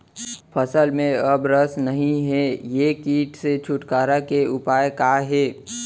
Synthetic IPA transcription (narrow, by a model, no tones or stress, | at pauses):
pʰəsəlmẽɐbɾəsnɐɦĩɦɛjekiːʈset͡ʃʰʊʈkaːɾakeʊpaːjekaɦeː